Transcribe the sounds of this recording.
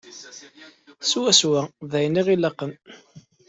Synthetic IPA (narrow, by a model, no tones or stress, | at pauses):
swæswæðæjnːiʁilɑqən